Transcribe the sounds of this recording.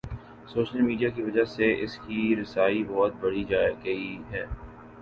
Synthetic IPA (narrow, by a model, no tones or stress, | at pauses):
soːʃəlmiːɖijakiʋɐd͡ʒaseʔɪskiɾɪsaːibɔːt̪̚bɐɽid͡ʒaɡɐiɦɛː